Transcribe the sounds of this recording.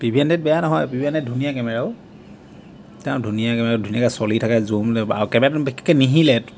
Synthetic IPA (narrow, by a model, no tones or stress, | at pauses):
bibʱiɛndɛt̚bɛjanɔɦɔjbibʱiandɛdʱunijakɛmɛɹaʊ | tɛʊ̃dʱunijakɛmɛɹadʱuniakasɔlitʰakazumlɛa̰ɹkɛmɛɹatbikʰɛ̥kːɛniɦilɛt